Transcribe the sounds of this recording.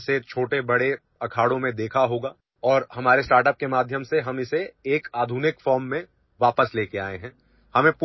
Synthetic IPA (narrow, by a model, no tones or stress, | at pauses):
set͡ʃʰoːʈebɐɽe | ɐkʰaːɽõmẽd̪eːkʰaɦoːɡaː | ɔːɾhɐmaːɾesʈaːɾʈəp̚kemaːd̪ʱjəmseɦɐmɪseeːkaːd̪ʱuːnɪkfɔːɾmːẽ | ʋaːpəsleːkeaːeɦɛ̃ː | hɐmẽpu